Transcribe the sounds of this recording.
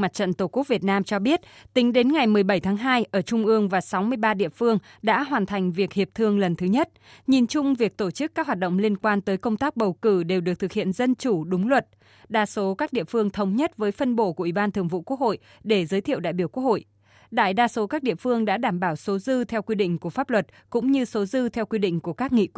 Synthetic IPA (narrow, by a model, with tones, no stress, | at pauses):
ma˨˩t̚t͡ɕə̰˧˨nt̪o˧˩ku˦˥k̚vi˨˩ət̚naː˧mt͡ɕɔ˧ɓi˦˥ət̚t̪ï˨˦ŋ̟ɗe˨˦nŋa˨˩jmɨ˨˩əjɓə˧˩jt̪ʰaː˨˦ŋɦaː˧jʔəː˧˩t͡ɕʊ˧ŋ͡mʔɨ˧əŋvaː˨˩sa˨˦wmɨ˧əjɓaː˧ɗḭ˧˨əfɨ˧əŋɗa̰ː˧˥ɦwaː˨˩nt̪ʰa˨˩jŋ̟vi˨˩ək̚hi˨˩əp̚t̪ʰɨ˧əŋlə˨˩nt̪ʰɨ˨˦ɲə˦˥t̚ | ɲi˨˩nt͡ɕʊ˧ŋ͡mvi˨˩ək̚t̪o˧˩t͡ɕɨ˦˥k̚ːaː˦˥k̚ɦwaː˨˩t̚ɗə̰˧˨ŋ͡mli˧ənkwaː˧nt̪əː˨˦jkə˧wŋ͡mt̪aː˦˥k̚ɓə˨˩wkɨ˧˩ɗe˨˩wɗɨ˨˩k̚t̪ʰɨ˨˩k̚hḭ˧˨ənzə˧nt͡ɕu˧˩ɗʊ˨˦ŋ͡mlwə˨˩t̚ | ɗaː˧so˨˦kaː˦˥k̚ɗḭ˧˨əfɨ˧əŋt̪ʰə˨˦wŋ͡mɲə˦˥t̚vəː˨˦jfə˧nɓo̰˧˨ku˧˩əʔi˧˩ɓaː˧nt̪ʰɨ˨˩əŋvṵ˧˨kwu˦˥ək̚ho̰˧˨j | ɗe˧˩zəː˨˦jt̪ʰḭ˧˨əwɗa̰ː˧˨jɓi˧˩əku˦˥əho̰˧˨j | ɗa̰ː˧˨jɗaː˧so˨˦kaː˦˥k̚ɗḭ˧˨əfɨ˧əŋɗa̰ː˧˥ɗaː˧˩mɓaː˧˩wso˨˦zɨ˧t̪ʰɛ˧wkwi˧ɗḭ̈˧˨ŋ̟ku˧˩əfaː˦˥p̚lwə˨˩t̚kʊ̰˧˥ŋ͡mɲɨ˧so˨˦zɨ˧t̪ʰɛ˧wkwi˧ɗḭ̈˧˨ŋ̟ku˧˩əkaː˦˥k̚ŋḭ˧˨